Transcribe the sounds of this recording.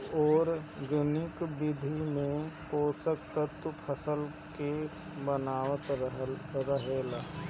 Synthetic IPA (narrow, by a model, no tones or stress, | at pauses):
ɔːɾɡənɪkbɪd̪ʱimẽpoːsəkt̪ət̪pʰəsəl | ke | bənaːwət̪ɦɾəɦeːlaː